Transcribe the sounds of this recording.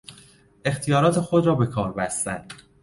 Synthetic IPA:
e̞xt̪ʰijɒːɾɒːt̪ʰe̞xo̞d̪ɾɒːbe̞kʰɒːɾbæst̪ænd̪̥

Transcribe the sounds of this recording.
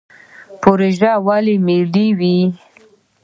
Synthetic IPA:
poɾeʒawalimiliwi

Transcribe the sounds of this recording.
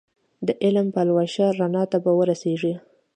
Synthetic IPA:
d̪əʔɪlmpalwaʃaɾanɑt̪abawəɾaseʐi

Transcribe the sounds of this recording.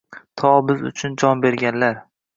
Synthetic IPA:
t̪ʰɒbɪzʊ̰t͡ʃʰʊnd͡ʒɒnbe̞ɾɡʲanlaɾ

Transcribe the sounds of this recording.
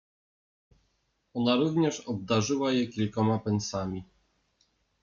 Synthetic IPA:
ɔnaɾuvɲɛʂɔb̚d̪aʐɘwajɛkʲilkɔmapɛnsamʲi

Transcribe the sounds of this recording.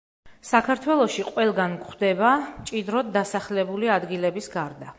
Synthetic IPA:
sakʰaɾt̪ʰwɛlˠɔʃiqʼwɛlˠɡankχd̪ɛbamt͡ʃʼid̪ɾɔd̪̚ːasaχlɛbuliad̪ɡilɛbisɡaɾd̪a

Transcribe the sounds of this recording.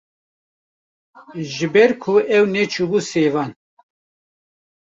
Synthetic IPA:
ʒɨbɛɾkʰuɛwnɛt͡ʃʰubuseːvɑːn

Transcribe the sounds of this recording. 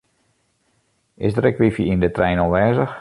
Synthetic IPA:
ɪ̰sdəɾɛkʋifiindətrɛjnɔlˠʋɛːzəx

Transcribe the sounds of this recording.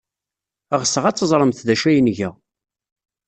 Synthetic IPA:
əʁəsəʁæt͡sːəzˤɾˤəmθðæʃæjənʝæ

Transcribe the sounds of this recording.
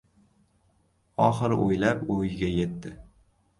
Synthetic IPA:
ɒχɨɾʔojlapojɪɡʲaje̞t̪ːɪ

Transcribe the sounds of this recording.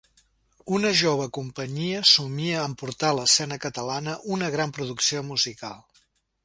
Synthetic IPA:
unəʒoβ̞əkumpəɲiəsumiəːmpuɾt̪aləsɛnəkət̪əlanəʔunəɣɾampɾuðuksiomuzikalˠ

